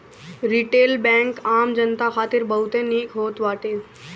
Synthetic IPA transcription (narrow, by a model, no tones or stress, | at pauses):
ɾiʈeːlbɛ̃ːŋkaːmd͡ʒənt̪axʰaːt̪ɪɾbɐɦʊt̪ẽniːkɦoːt̪ʋaːʈeː